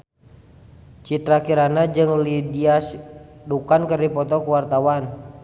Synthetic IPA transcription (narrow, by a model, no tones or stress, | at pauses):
t͡ʃit̪ɾakiɾanad͡ʒɨŋlidiasdukankərdipɔt̪ɔkuwart̪awan